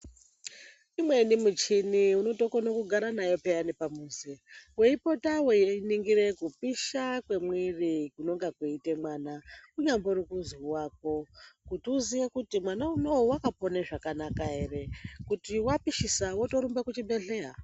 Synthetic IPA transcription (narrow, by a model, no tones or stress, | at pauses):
imwe̞nimut͡ʃiniuno̞to̞konokuɡʱaɾanajo̞pejanipamuːzeweipo̞tawejeiniŋɡire̞kupiʃakwe̞mwirikuno̞ŋɡakweite̞mwaːnakuɲambo̞ɾukuziwaːk̚o̞kutiuzijekutimwanaumowowakapo̞neʐakanakae̞re̞kutiwapiʃisawoto̞ɾumbekut͡ʃimbeɮea